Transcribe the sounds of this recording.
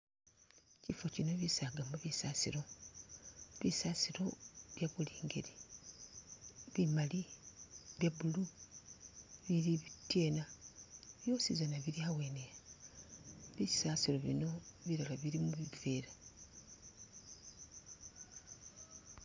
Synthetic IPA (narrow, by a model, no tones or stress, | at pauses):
cifo̞cino̞βisaːɡamuβisaːsiɾo̞ | βisaːsiɾo̞βjaβuliːŋɡe̞ɾi | βimali | βjaβulu | βiɾiβitje̞ːna | βjo̞ːsizanaβiɾiawe̞ːnea | βisaːsiɾo̞βḭno̞βiɾalaβiɾimuβiveːɾa